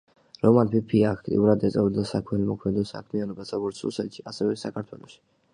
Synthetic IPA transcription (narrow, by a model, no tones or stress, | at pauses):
ɾɔmanpʰipʰiaːkʰt̪ʼḭuɾad̪ɛt̪sʼɛvd̪asakʰmɛlimɔkʰmɛd̪ɔsa̰kʰmianɔbasaɡɔɾt̪sṵsɛt̪ʃiasɛvɛsakʰaɾt̪ʰwɛ̰lˠɔʃi̥